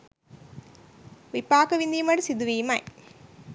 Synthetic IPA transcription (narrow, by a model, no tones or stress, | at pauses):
ʋipaːkɐʋind̪imɐɽsid̪uʋiːmɐj